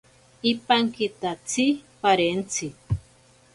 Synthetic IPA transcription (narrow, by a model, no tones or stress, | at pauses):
ipaŋkit̪at͡sʰipaɾent͡sʰi